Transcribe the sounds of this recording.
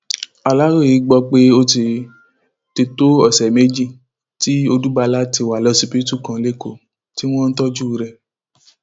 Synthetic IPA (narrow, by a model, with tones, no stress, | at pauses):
a˨la˦ɾo˦˨i˨˧˦ɡ͡bɔ˧k͡pe˦o˦ti˧ | ti˧to˦ɔ˦˨sɛ˨me˦d͡ʒi˦˨ | ti˦o˧du˦ba˧la˦ti˧˨wa˨lɔ˦si˧pi˦tu˦˨kã˧˦le˦ko˦˨ | ti˦w̃ɔ̃˦n̩˦tɔ˦d͡ʒu˦˨ɾɛ˧